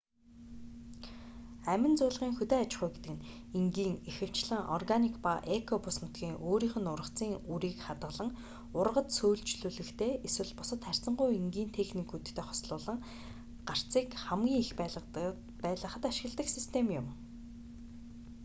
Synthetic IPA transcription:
æmʲɪ̆nt͡sʊːɮʁiːŋxut̪eːat͡ɕɪ̆χujɡet̪ɘ̆kɘ̆n | iŋɡiːŋixɘ̆w̥t͡ɕɮə̆ŋʔɔ̰rɡanikpaʔekʰɔpʊsmʊt̪ɡʲiːŋʔoːɾiːχɘ̆nʊrə̆χt͡siːŋuɾiːkχat̪ʁə̆ɮə̆ŋ | ʊrʁə̆t̪sujɮt͡ɕɮuːɮɘ̆kt̪ʰeːeswɘ̆ɮpʊsə̆t̪χær̥ʲt͡sə̆ɴɢʊjiŋɡiːnt̪ʰexnikut̪̆ʰt̪ʰːeːχɔ̥sɮʊːɮə̆ŋ | ɢ̥ar̥t͡siːkχæmɡʲiːŋixpː | pæːɮə̆χə̆t̪aʃɪ̆ɣ̆ɮt̪ə̆ksist̪ʰemjʊm

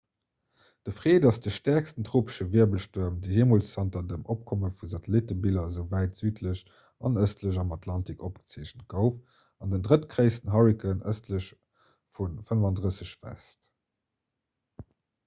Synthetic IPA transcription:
d̥əfʁeːdɑsd̥əʃtæɐkstəntʁoːpə̥ʃəviɐbəlʃtuɐmdeɦeːmoːlssæntɐdəmʔop̚kʰoməfuzɑtəlitəbilɐzəʊvæɪtz̥yːtʰləɕ | ɑnəstʰləʑɑmɑtʰlɑntikop̚ɡə̥t͡seːʑənt̚ɡ̥əʊf | ɑndəndʁətɡʁəɪstən̩ɦɑɹikənə̰stləɕ | funfənəvɑndʁəsəɕvæ̰st

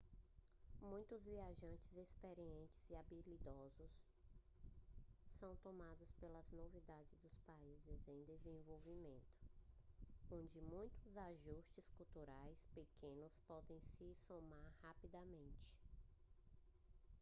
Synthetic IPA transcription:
mũj̃t̪ʊzviaʒɐ̃nt͡ʃɪzespeɾiẽnt͡ʃɪziabilid̪ɔzʊs | ɐ̃w̃t̪õmad̪ʊspelɐznovid̪ad͡ʒɪzd̪ʊspaizɪzẽj̃d̪ezẽvowvimẽnt̪ʊ̥ | õnd͡ʒɪmũj̃t̪ʊzaʒust͡ʃɪskult̪uɾajspekʰẽnʊspɔd̪ẽj̃sɪsomaɾhapid̪ɐmẽnt͡ʃɪ̥

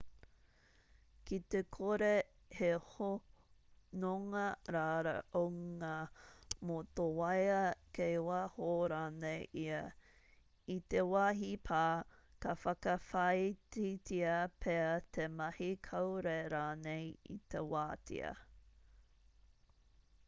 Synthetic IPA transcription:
kit̪ekʰoɾe | heho | noŋɐɾaːɾɐ̰ʔowŋamot̪owɐjɐkejwaːhoɾaːnejʔiɐ | it̪ewaɦipʰaːkɐfɐkɐfɐjt͡sitiɐpʰɛɐt̪ʰemɐhikʰɐwɾeɾaːnejḭt̪ewaːtḭɐ̰

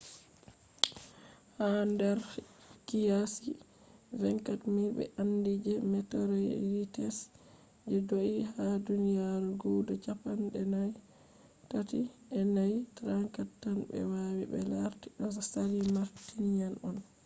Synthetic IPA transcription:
handɛɾ | kijasi | vɛŋkatmiɾbɛ̰ʔandid͡ʒɛmɛtɔɾɛ̰ɾitɛs | d͡ʒɛdoʔihadunijaɾuɡudɔt͡ʃapanɗɛnaj | tatiɛnajtɾaŋkatːanbɛ̰wawibɛ̰laɾtiɗɔsalimaɾtinjanɔn

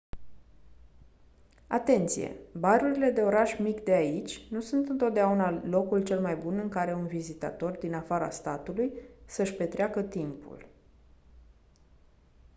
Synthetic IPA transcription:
at̪e̞nt̪sḭje̞̰baɾuɾile̞d̪e̞o̞ɾaʃmikd̪e̞ait͡ʃʲnusunt̪ɨnt̪o̞t̪̚d̪eaunalo̞kult͡ʃe̞lmajbunɨŋkaɾe̞unvizit̪a̰t̪o̞rd̪inafaɾa̰st̪at̪ulujsəʃpe̞t̪ɾeakət̪impṵl

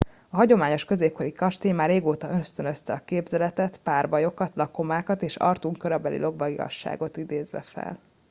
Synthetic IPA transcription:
ɒɦɒɟo̞maːɲo̞ʃkø̞zeːp̚ko̞ɾikɒʃt̪eːjmaːreːɡoːt̪ɒøst̪ønøst̪ɛɒkeːbzɛlɛt̪ɛt̪paːrbɒjo̞kɒt̪lɒko̞maːkɒt̪eːʃɒ̰rt̪uŋkøɾøbɛlḭlʔo̞ɡbɒɡiɒ̰ʃːa̰ːɡo̞t̪id̪eːzʋɛ̰fɛ̰l

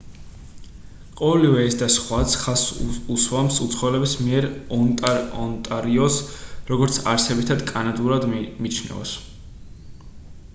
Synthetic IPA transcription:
qʼɔvɛlivɛɛsd̪asχwat̪sʰχasuswamsut̪sʰχɔɛlɛbismiɛɾɔnt̪ʼaɔnt̪ʼaɾiɔsɾɔɡɔɾt̪sʰaɾsɛbit̪ʰad̪kʼanad̪uɾad̪mit͡ʃʰnɛ̰ɔs

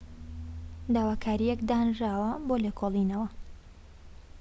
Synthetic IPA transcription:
d̪aːwaːkʰaːɾijɛkd̪aːnʒaːwɐboːlekʰoːlˠinɐwɐ

